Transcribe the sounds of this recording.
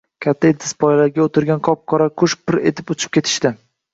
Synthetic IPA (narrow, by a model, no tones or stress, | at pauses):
kʲʰat̪ʰːaelt̪ʰɪ̥spʰɒjlaɾɡʲaot̪ʰɪɾɡʲanqʰɒp̚qʰɒɾakʰʊʃpʰːɪɾe̞̰t̪ʰɪpʊt͡ʃʰɪ̥p̚kʲe̞t̪ʰɪ̥ʃt̪ɪ